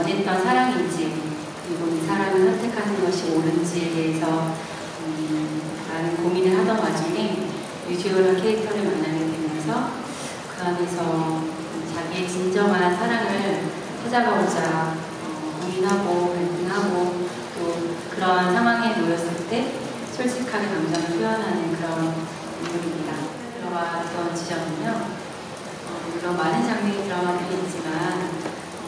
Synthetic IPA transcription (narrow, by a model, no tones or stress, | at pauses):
ʌnet͈ʌnsʰaɾaŋind͡ʑi | iɡunisʰaɾaŋɯɭsʰʌntʰe̞kʰanɯnɡʌɕʰioɾɯnd͡ʑie̞de̞ɦesʰʌ | ʌ | maɾɯnkominɯɭɦadʌnwad͡ʑoŋe̞ | jud͡ʑʰeʌɾʌɭkʰeːk̚tʰʌɾɯɭmanːaɡedwemjʌnsʰʌ | kɯɾanesʰʌ | t͡ɕaɡiet͡ɕind͡ʑʌŋɦansʰaɾaŋɯɭ | t͡ɕʰad͡ʑaɡaɾod͡ʑa | ʌkoŋinɦaɡopaɭpʰɯnɦaɡo | t͈okɯɾʌnsʰaŋwaŋe̞nojʌs͈ɯɭt͈e̞ | t͡ɕʰoɭt͡ɕ͈ʰikʰaɡekamd͡ʑaŋiɭpʰijʌnɦanɯnkɯɾʌn | oŋimɲːida | kɯɾʌwatɯʌnt͡ɕid͡ʑʌɡiɲjʌ | ʌkɯɾʌnmanɯnt͡ɕaŋɲʌŋitɯɾʌɡanɯɡet͡ɕ͈iman | ʌ